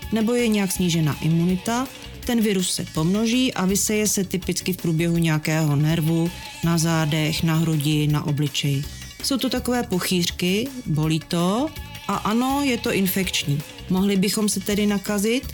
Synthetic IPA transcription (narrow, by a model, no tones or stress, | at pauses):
nɛbo̞jɛɲɛjaksɲiːʒɛna̰ːʔɪmunɪt̪a | t̪ɛnvɪɾusːɛ̰po̞mno̞ʒiːʔavɪsɛjɛsɛt̪ɪpɪt͡skɪfpɾuːbjɛɦuɲɛjakɛːɦo̞nɛɾvu | nazaːdɛxnaɦɾuɟɪna̰ʔo̞blɪt͡ʃɛjɪ | so̞wt̪ot̪ako̞vɛːpo̞xiːr̥kɪbo̞liːt̪o̞ | ʔaʔano̞jɛt̪o̞ʔɪnfɛkt͡ʃɲiː | mo̞ɦlɪbɪxo̞msɛt̪ɛdɪnakazɪt̪